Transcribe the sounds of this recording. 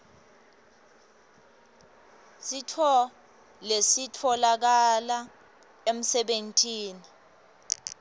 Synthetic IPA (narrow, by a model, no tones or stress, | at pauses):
sitʰɔ | lesitʰɔlak̬ala | em̩sɛɓentʼiːni